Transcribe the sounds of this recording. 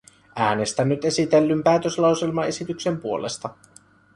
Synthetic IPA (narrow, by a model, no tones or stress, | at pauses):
æːne̞st̪ænːyt̪e̞sit̪e̞lːympæːt̪øslɑwse̞lmɑe̞sit̪yksempuo̞le̞st̪ɑ